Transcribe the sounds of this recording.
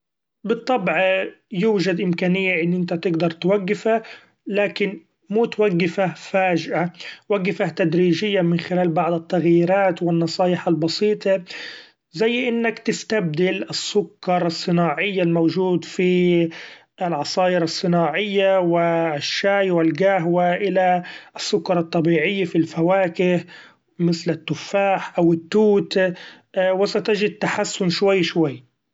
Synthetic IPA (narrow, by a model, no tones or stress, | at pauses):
bɨt̪ˤːɑbʕjuːʒad̪ʔɪmkaːnɪjːaʔɪnːʔɪnt̪at̪ɪɡd̪ɑɾˤt̪waɡːɪfa | laːkɪn | muːt̪waɡːɪfafaːʒɪʔawaɡːafaht̪ad̪ɾiːʒɪjːamɪnxɪlaːlbɑʕd̪ˤɪt̪ːaɣjiːɾaːt̪wɪnːɑsˤɑːjɪħalbɑsiːt̪ˤɑ | zajːʔɪnːakt̪ɪst̪ab̚d̪ɪlɪsːʊkːɑɾˤɑsˤːɨnaːʕɪjːalmoːʒuːd̪fi | ɪlʕɑsˤɑːjɪɾɑsˤːɨnaːʕɪjːawɪʃːaːjwɪlɡaɦwaʔɪlaʔɪsːʊkːɑɾˤɑt̪ˤːɑbiːʕɪjːafilfawaːkɪh | mɪθlɪt̪ːʊfːaːħʔawɪt̪ːuːt̪ | wɪsat̪ɪd͡ʒɪd̪̚t̪ːaħasːʊnʃwajːʃwajː